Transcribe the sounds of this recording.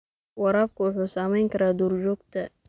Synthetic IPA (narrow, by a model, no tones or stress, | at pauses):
wɑɾaːfkʰʊwʊħuːsaːmɛjŋkʰɐɾaːd̪uːrd͡ʒɔːɡt̪ʰɐ